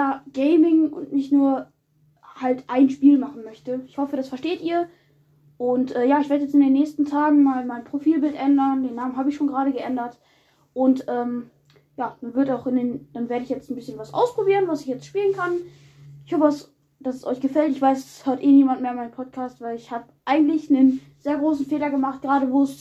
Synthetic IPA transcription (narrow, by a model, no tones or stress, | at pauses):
jaːɡ̥eɪmɪŋʊ̰ntnɪçtnuːɐ | haltʔaɪnʃpiːlmaχn̩mœçtəɪçhɔfəɾasfɛɐʃteːtʔiːɐ | ʔʊntʔɛːjaːɪçveːɐdəjɛt͡stɪndeːnːɛːçstn̩tʰaːɡŋ̩maːlmaɪnpʁ̥ofiːlbɪltʔɛndɐndeːnːaːmənhaːbəɪçʃoːnɡəʁaːɾəɡəʔɛndɐt | ʔʊntʔɛːm | jaːmanvɪɐtaʊxɪndeːnd̥anveːɐɾəɪçjɛt͡stn̩bɪsçənvasʔa̰ʊspʁ̥obiːʁənvasɪçjɛt͡stʃpiːlənkʰan | ɪçhɔfədas | d̥asɛsʔɔ̰ʏçɡ̥əfɛltɪçv̥aɪsɛshøːɐtʔeːniːmantmeːɪnmaɪnənpʰɔt̚kʰaːstv̥aɪlɪçhaːbəʔaɪɡŋ̩tlɪçnən | z̥eːɐɡʁoːsn̩feːlɐɡəmaχt̚ɡ̥ʁaːɾəvoːs